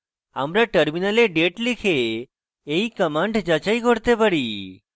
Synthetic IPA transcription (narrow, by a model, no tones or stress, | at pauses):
amɾaʈəɾminəleɖeʈlikʰeː | ikəmãɳɖd͡ʒat͡ʃaiɡʱoɽt̪ebəɽi